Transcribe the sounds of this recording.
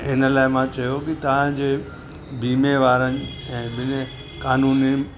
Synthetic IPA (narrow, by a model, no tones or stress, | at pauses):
ɪnəlaːɪmãt͡ɕɐjokɪt̪ɐʋ̤ãd͡ʑeː | biːmeʋaːɾənɪ̆ | ɛ̃ːbɪne | kaːnuːni